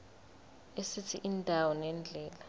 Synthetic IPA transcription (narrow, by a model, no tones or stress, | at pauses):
esit͡sʰiʔindʱawɔnɛnd͡ɮʱɛːla